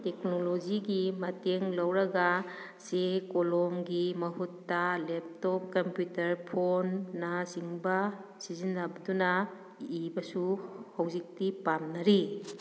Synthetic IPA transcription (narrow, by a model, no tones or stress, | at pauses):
teknolod͡ʒiɡimɐteŋlɐwɾɐɡa | sekolɔmɡimɐɦutːɐlep̚tɔp̚kɐmpjutɐɾpʰonːasiŋbɐsizinːabɐduna | ibɐsuhɐwzik̚tipamnɐɾi